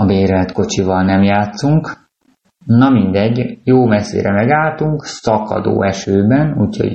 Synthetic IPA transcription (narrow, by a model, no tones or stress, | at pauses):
ɒbeːɾɛmɛt̪ko̞t͡ʃivɒlnɛmjaːt̪suŋk | nɒmind̪ɛɟːjoːmɛsːḛːɾɛmɛɡaːlt̪uŋksɒkɒ̰d̪o̰ːɛʃøːbɛnuːcʰho̰ɟ